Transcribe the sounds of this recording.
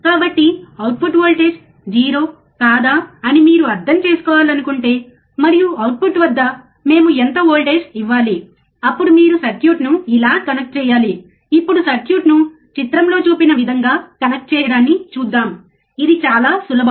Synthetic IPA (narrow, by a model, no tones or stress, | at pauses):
kaːbɐʈːiɐwʈ̚pʰuʈʋoːlʈeːʃ | d͡ʒiːɾoː | kaːd̪aːɐnimiːɾuɐɾd̪ʱɐmt͡ʃe̞ːsu̥kɔːʋaːlɐnukuɳʈe̞ː | mɐɾijuɐwʈ̚pʰuʈʋɐd̪ːɐ | me̞ːmuent̪ɐoːlʈeːʂiʋːaːli | ɐpːuɽumiːɾusɐɾkjuːʈnuilaːkɐnɐk̚ʈ̚t͡ʃɛːjaːli | ipːuɽusɐɾkjuːʈnu | t͡ʃit̪ɾɐmlo̞ːt͡ʃuːpinɐʋid̪ʱɐŋɡaːkɐnɐk̚ʈ̚t͡ʃɛːjɐɽaːnːit͡ʃuːd̪ːaːm | id̪it͡ʃaːlaːsulːɐbʱ